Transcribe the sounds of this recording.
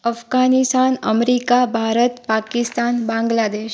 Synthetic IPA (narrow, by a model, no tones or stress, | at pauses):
əfɡanist̪anəmɾikabʱaɾət̪pakist̪anbãŋɡlad̪eʃ